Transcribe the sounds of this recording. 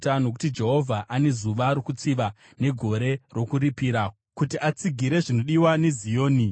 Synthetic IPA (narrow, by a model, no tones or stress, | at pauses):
tano̞k̬u̥tid͡ʒe̞ɦo̞vʱaʔane̞zuʋaɾokut͡siʋa | ne̞ɡʱo̞ɾe̞ro̞kuɾipiːɾa | kutiʔat͡siɡʱiɾe̞ʐino̞ɗiwane̞zijo̞ːni